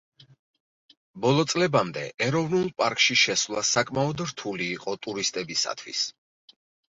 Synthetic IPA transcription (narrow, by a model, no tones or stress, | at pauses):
bɔlˠɔt̪sʼlɛbamd̪ɛ̰ʔɛɾɔvnulˠpʼaɾkʼʃiʃɛsvlˠasakʼmaɔd̪ɾt̪ʰuliːqʼɔt̪ʼuɾist̪ʼɛbisa̰t̪ʰwḭs